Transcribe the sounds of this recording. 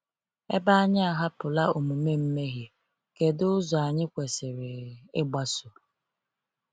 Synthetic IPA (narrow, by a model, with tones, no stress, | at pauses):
e˦ba˦a˦ɲɪ˦a˨ɦa˦pʊ˨la˦o˨mu˨me˦m̩˦me˦ɦje˨ | ke˨dʊ˦ʊ˦zɔ˨a˨ɲɪ˦kʷe˨sɪ˨ɾɪ˨ɪ˦ɡ͡ba˦sʊ˨